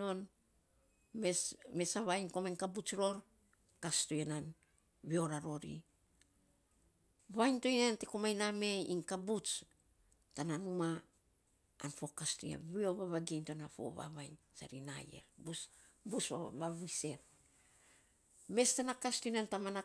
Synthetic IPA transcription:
o̞n | mesme̞saβajnko̞majnkabut͡ʃɾo̞ɾ | kastojenan | βio̞ɾaɾo̞ɾḭ | βajntojnantekomajname̞iŋkabut͡ʃ | tananumaː | nfo̞kasto̰ja̰βio̞βaβaɡentonafo̞̰βa̰βajn | sa̰ɾina̰jḛɾbus | busaβaβise̞ɾ | me̞stanakastojnantamana

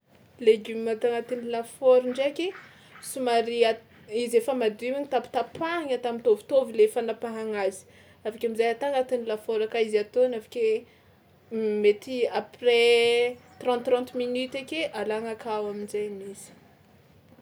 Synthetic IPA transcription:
leɡymat̪aŋat̪inilafoɾiɳɖ͡ʐekʲe | sumaɾia | izefamad̪uiwaŋit̪api̥t̪apʰaŋat̪amint̪ovi̥t̪ovilefanapaɦaŋazi̥ | afakʲamizajat̪aŋat̪inilafoɾakaizat̪onafḁkʲe | met̪iapre | t̪rɑ̃nt̪ːrɑ̃nt̪minyt̪ekʲeʔalaŋakʰawaminzajniz̥i̥

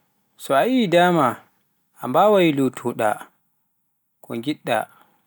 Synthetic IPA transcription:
sɔajidaːma | ambawajlutʰuɗa̰ | kɔ̰ŋɡiɗːa̰

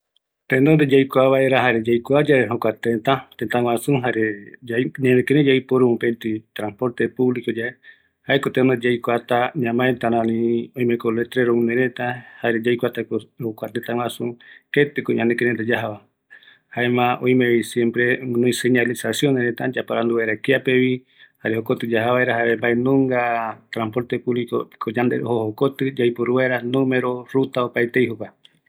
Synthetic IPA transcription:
t̪end̪ond̪ed͡ʒajkʷaβaeɾaɦaɾed͡ʒajkʷad͡ʒaeɦokʷat̪et̪at̪et̪ãw̃ãsũɦaɾeaɲãnẽkeɾed͡ʒajpoɾumũpent̪it̪ɾãnspoɾt̪epuβlikod͡ʒae | haekot̪enod͡ʒajkʷat̪aɲãmãet̪anãnĩoj̃mekolet̪ɾeɾomũneɾet̪ahaɾed͡ʒajkʷat̪akohokʷat̪et̪aw̃ʷãsuke̞t̪ɨkoɲãnekeɾet̪ad͡ʒaɦaβa | haemãʔõ̰j̃mẽβisjẽ̞mpɾemɨ̃nũĩseɲalisasjoneɾet̪ad͡ʒapaɾand̪uβaɾakeapeβi | haɾehokot̪ɨd͡ʒaɦaβaeɾaɦaβembaenõŋɡat̪ɾampo̞ɾt̪epuβliko̰kʰod͡ʒand̪ehohokot̪ɨd͡ʒajpoɾuβajɾanõmeɾo̞ɾut̪aopaet̪ejhokʷa

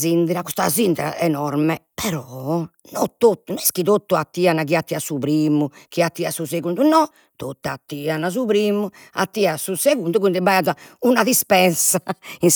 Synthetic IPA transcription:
zind̪ɛɾakust̪azind̪ɛɾa̰ɛnɔɾmɛpɛɾɔ | nɔt̪ːot̪ːununɛskit̪ot̪ːuat̪ːiːanakiat̪ːiasupɾiːmukiat̪ːiːasuseɣund̪unɔ | t̪ot̪ːat̪ːiːanasuβɾiːmu | a̰t̪ːiːasuseɣund̪ukund̪ɛbaazaunaðispɛnsain

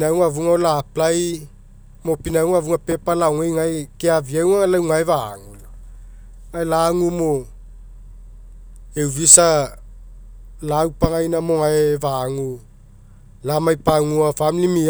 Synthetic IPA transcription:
nawŋavuŋaolaːplaj | mo̞pinawŋavuŋape̞palawŋajŋajkeaviawŋaŋalawŋaevaŋula | aelaŋumo | ewvisa | lawpaŋajnamo̞ŋaevaŋu | lamajpaŋuafamilimi

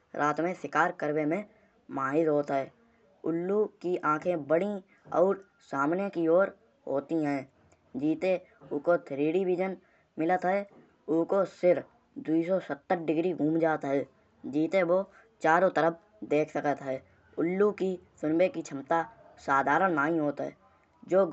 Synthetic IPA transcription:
ɾʔaːt̪mẽsɪkaːɾkəɾbemẽ | maːɦɪd̪ɦoːt̪ɦɛː | ʊlːukiʔãːkʰẽbəɽi | ɔːɾ | saːmnekioːɾ | ɦo̰ːt̪iɦɛ̃ː | d͡ʒiːt̪eʊkot̪ʰɾiːɽiʋɪd͡ʒən | mɪlət̪ɦɛː | ʊkosɪɾ | d̪uis̬ɔsət̪ːəɾɖɪɡɾiɡʱũːmd͡ʒaːt̪ɦɛː | d͡ʒiːt̪eʋo | t͡ʃaːɾõt̪əɾəp̚ʰ | d̪eːkʰsəkət̪ɦɛː | ʊlːukisʊnbekit͡ʃʰəmt̪a | saːd̪ʱaːɾənnaːĩɦoːt̪ɦɛ̰ː | d͡ʒoː

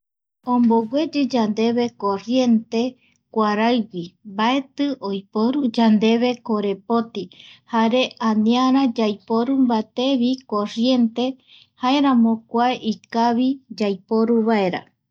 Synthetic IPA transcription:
õmboɡʷwe̞d͡ʒɨd͡ʒand̪e̞βe̞ko̞rje̞nt̪e̞ | kʷaɾaɨwimbae̞t̪ɨʔojpoɾud͡ʒand̪e̞βe̞koɾe̞pot̪ihaɾe̞ʔanĩaɾad͡ʒajpoɾumbat̪e̞βikorje̞nt̪e̞ | hae̞ɾãmõkʷaeʔikaβid͡ʒajpo̞ɾuβae̞ɾa̰

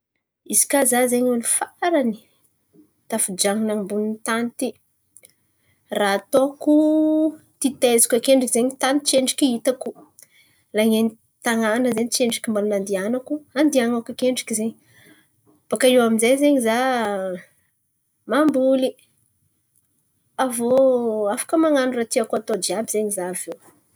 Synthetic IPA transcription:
izi̥kazazeɲonifaɾani̥ | t̪afud͡ʒaŋinaŋmbuninit̪ant̪i | raːt̪oku | t̪it̪ezi̥kʲakeɳɖ͡ʐikizeɲit̪ant͡ʃeɳɖ͡ʐikʲiit̪aku | laŋeni | t̪aŋanəzeɲit͡ʃeɳɖ͡ʐikimbalunand̪ianakuand̪iaŋakakeɳɖ͡ʐḁkizeɲi | b̥akaiwaminzejzeɲiza | mambuli | avoafḁkəmaŋanurat̪iakat̪od͡ʒiabizeɲizavew

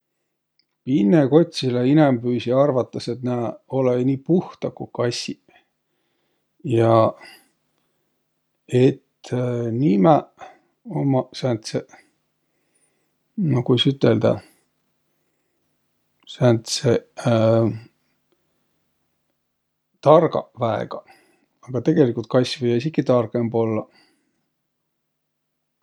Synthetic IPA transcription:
pinːeko̞t̪ʲsileinɛmbyːsiɑrvɑt̪ːˑɑset̪næo̞leniːpuht̪ɑkukɑsʲi | jɑ | et̪nimæ | omːɑsænt̪se | nokujsyt̪ːˑeld̪ɑ̰ | sænt̪se | t̪ɑrɡɑ̰væḛɡ̥ɑ | ɑɡ̥ɑt̪e̞ɡ̥e̞likult̪̚kɑsʲvɤjɑis̬ikːit̪ɑrɡ̥embo̞lːɑ

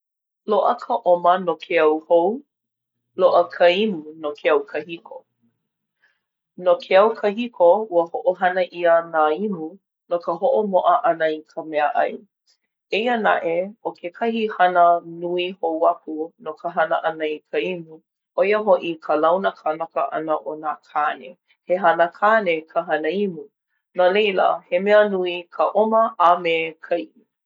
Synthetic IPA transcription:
loʔəkʰəʔomənokʰeɐwhow | loʔəkʰəimunokʰeɐwkʰəhikʰo | nokʰeɐwkʰəɦikʰouəhoʔoɦɐnəʔiənaimu | nokəɦoʔomoʔəʔɐnəikʰəmɛəʔɐ̰j | eiəna̰ʔeokʰekʰɐhihɐnənuihowap̚ʰunokʰəɦɐnə̰ʔɐnəikʰəimu | ʔojəɦoʔikʰəlawnəkʰanakəʔa̰nəʔonakʰanḛ | heɦɐnəkʰaːnekʰəɦɐnəimu | nalejlə̰hemɛənuikʰəʔoməʔamekʰajʔi

